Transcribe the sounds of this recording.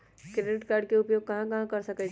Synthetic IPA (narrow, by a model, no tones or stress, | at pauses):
kɾeɖɪʈkaːɾɖkeʊpjoːɡ̚kɐɦãkɐɦãkɐɾsɐkɛ